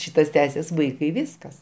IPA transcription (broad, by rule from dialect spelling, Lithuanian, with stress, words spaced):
ˈʃʲiːtɐs ˈtʲæːsʲɪs ˈʋɐɪkɐɪ ˈʋʲɪskɐs